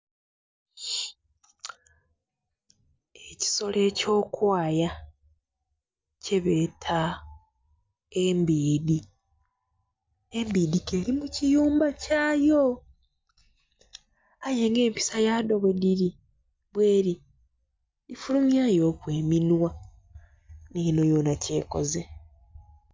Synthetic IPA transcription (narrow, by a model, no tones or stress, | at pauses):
eci̥so̞le̞ːco̞ːkwaːja | ceβe̞ːtʰa | embiːdi | embiːdikelimucijuːmbacaːjo | aje̞ːŋɡe̞ːmpi̥sajaːdo̞βediɾi | bwe̞ːɾi | difulumjaːjo̞ːkwe̞ːminwa | niːno̞jo̞nace̞ːko̞̰ze